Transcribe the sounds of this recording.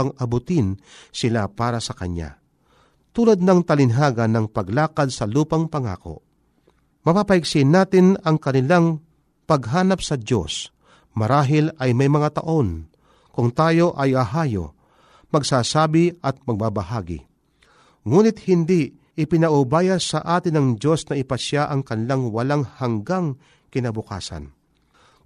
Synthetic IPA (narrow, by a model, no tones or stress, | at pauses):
ɐŋɐbʊt̪ɪnsɪlapaːɾasɐkɐ̰ɲa̰ | t̪uːlad̪̚nɐŋt̪ɐlɪnɦaːɡɐnɐŋpɐɡlaːkad̪̚sɐluːpɐŋpɐŋa̰ːko̞̰ | mɐpapɐɪɡsɪnːaːt̪ɪnɐŋkɐnɪlaŋ | pɐɡɦaːnɐpsɐd̪jo̰s | mɐɾaːɦɪlɐjmɐjmɐŋat̪ɐʔo̞n | kʊŋt̪aːjo̞ʔɐjɐɦaːjo̰ | mɐɡsaːsaːbɪɐt̪̚mɐɡ̚babɐɦaːɡɪ̰ | ŋuːnɪt̪̚hɪnd̪i | ɪpɪnɐʔʊbaːjasɐʔaːt̪ɪnɐŋd͡ʒo̞snɐʔɪpɐʃjaʔɐŋkɐnɪlaŋwɐlaŋhɐŋɡaŋ | kɪnabʊka̰ːsɐ̰n